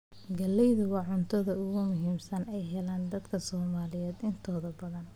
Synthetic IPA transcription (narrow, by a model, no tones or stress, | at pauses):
ɡɐlːɛjðʊwɑːʕʊnt̪ʰɐðɐʊɣʊmʊɦiːmsɐnɛjɦɛlaːnd̪ɐd̪kʰɐsɔːmaːlɪjɛːd̪ɪnt̪ʰɔːðɐbɐðɐn